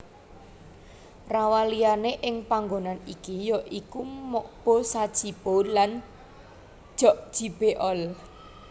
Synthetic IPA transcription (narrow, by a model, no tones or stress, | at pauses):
rawalijaneʔɪŋpaŋɡonanikijɔʔikumɔʔb̥ɔsad̥ʒ̥ib̥olan | ʒ̥ɔʔd̥ʒ̥i̤b̥eʔɔl